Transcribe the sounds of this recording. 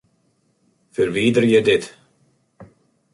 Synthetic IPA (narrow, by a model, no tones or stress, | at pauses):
fœɾviːd̪əɾjɛd̪ɪt̪